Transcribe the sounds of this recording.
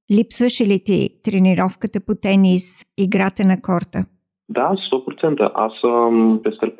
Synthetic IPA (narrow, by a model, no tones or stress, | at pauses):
lipsvəʃilit̪ḭt̪ɾɛniɾɔfkət̪əput̪ɛnisiɡɾat̪ənɐkɔɾt̪ə | d̪ast̪opɾot̪sɛnt̪ə̰ʔa̰səpest̪ɛlp